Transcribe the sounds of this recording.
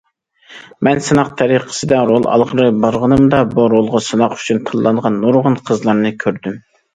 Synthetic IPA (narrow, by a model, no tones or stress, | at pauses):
mɛnsɨnɑq̚t̪ʰɛɾiqʰə̥sɨd̪ɑɾolˠʔɑ̰lˠʁəɾɨbɑɾʁənɨmd̪ɑbuɾolˠʁɑsɨnɑqy̥t͡ʃʰynt̪ʰɨlˠːɑɴʁɑnːoɾʁənqʰəzlˠɑɾnɨkʲʰøɾd̪ym